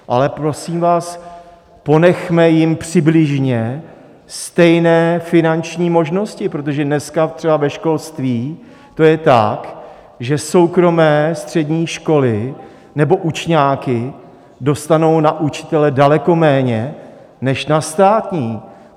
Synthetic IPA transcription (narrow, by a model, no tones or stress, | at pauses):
ʔa̰lɛpɾo̞siːmvaːs | po̞nɛxmɛjɪmpr̥ɪblɪʒɲɛ | st̪ɛjnɛːfɪnant͡ʃɲiːmo̞ʒno̞scɪpɾo̞t̪o̞ʒɛdnɛskat̪r̥ɛbavɛʃko̞lst̪viː | t̪o̞jɛt̪a̰k | ʒɛso̞wkɾo̞mɛːst̪r̝̥ɛdɲiːʃko̞lɪ | nɛbo̞ʔut͡ʃɲaːkɪ | do̞st̪ano̞wnaʔut͡ʃɪ̥t̪ɛlɛdalɛko̞mɛːɲɛ | nɛʃnast̪aːt̪ɲiː